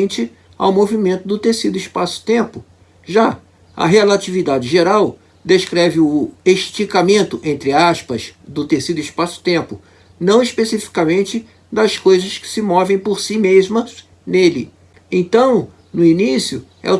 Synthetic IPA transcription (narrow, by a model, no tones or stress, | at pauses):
nt͡ʃɪ | a̰wmovimẽnt̪ʊd̪ʊt̪esid̪ʊiʃpasʊ̥t̪ẽpʊ | ʒa | ɐ̰ɦelat͡ʃivid̪ad͡ʒɪʒeɾaw | d̪eʃkɾɛvɪʊeʃt͡ʃikamẽnt̪ʊʔẽnt̪ɾɪaʃpɐz̥d̪ʊt̪esid̪ʊiʃpasʊ̥t̪ẽmpʊ | nɐ̃w̃ispesifi̥kamẽnt͡ʃɪ | d̪ɐskojzɐskɪ̥sɪmɔvẽj̃poɾsimezmɐz | nelɪ | ẽt̪ɐ̃w̃ | nʊinisjʊ | ɛ̰ʊ